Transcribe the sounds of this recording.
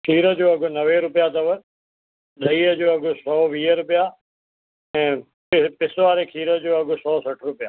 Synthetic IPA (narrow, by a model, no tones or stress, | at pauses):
kʰiːɾə̆d͡ʑoːɐɡʊ̆nɐʋeɾʊpijat̪ɐʋə | ɗʱɐiːəd͡ʑoːɐɡʊ̆sɔːʋiːəɾʊpija | ɛ̃ː | ɪpɪsʋaːɾekʰiːɾə̆d͡ʑoːɐɠʊ̆sɔːsɐʈʰɾʊpijaː